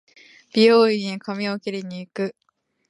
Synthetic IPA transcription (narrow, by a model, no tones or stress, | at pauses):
b̥ʲioːikamʲiokʲiɾʲiɲ̟iːkɯ̟